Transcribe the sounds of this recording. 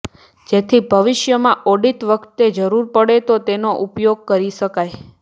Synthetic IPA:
d͡ʒet̪ʰibʱəʋɪʃjəmãʔoɖit̪ʋəkʰt̪ːed͡ʒəɾuɾpəɽet̪ot̪enoʔupjoɡ̚kəɾiʃəkaj

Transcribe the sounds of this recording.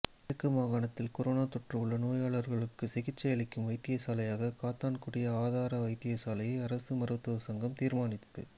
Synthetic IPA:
ɪɐkːɯmaːɣaːɳɐt̪ːɪlkɔɾoːnaːt̪ɔʈrɐʋɯɭːɐnoːjaːɭɐɾɣɐɭɯkːɯsɪɣɪʈt͡ʃːɐjɐlɪkːɯmʋɐɪt̪ːɪjɐsaːlɐjaːɣɐkaːt̪ːaːnkuɽɪjɐaːðaːɾɐʋɐɪt̪ːɪjɐsaːlɐjɐɪɐɾɐsɯmɐrɯt̪ːɐʋɐsɐŋɡɐmt̪iːɾmaːnɪt̪ːɐðɯ̰

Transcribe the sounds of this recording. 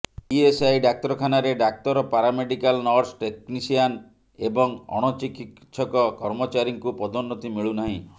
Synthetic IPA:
iesajɖak̚t̪ɔɾɔkʰanaɾeɖak̚t̪ɔɾɔpaɾameɖikalnɔɾsʈeknisian | ebɔŋɔ̰ɽ̃ɔt͡ʃikit̪sʰɔkɔkɔɾmɔt͡ʃaɾiŋkupɔd̪ɔnːɔt̪imiɭunaɦĩ

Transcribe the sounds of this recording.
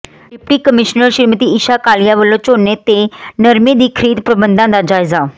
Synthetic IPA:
ɖɪpʈiːkəmɪʃnəɾʃɪɾmət̪iːɪʃaːkaːlɪjaːʋəlːõːt͡ʃoːnet̪enəɾmẽːd̪iːkʰəɾiːd̪pɾəbə̃nd̪ãːd̪aːd͡ʒaːɪzaː

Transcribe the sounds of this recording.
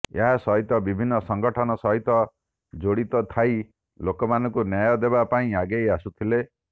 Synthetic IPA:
ḛɦasɔɦit̪ɔbibʱinːɔsɔŋɡɔʈʰɔnɔsɔɦit̪ɔ | d͡ʒoɽit̪ɔt̪ʰaj | lokɔmanɔ̃ŋkunjajɔd̪ebapaĩaɡejasut̪ʰile

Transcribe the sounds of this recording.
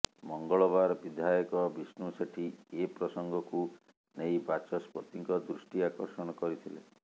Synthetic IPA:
mɔŋɡɔɭɔbaɾɔbid̪ʱajɔkɔbisnuseʈʰiepɾɔsɔŋɡɔku | nejbat͡ʃɔspɔt̪iŋkɔd̪ɾusʈiakɔɾsɔɽ̃ɔkɔɾit̪ʰilḛ

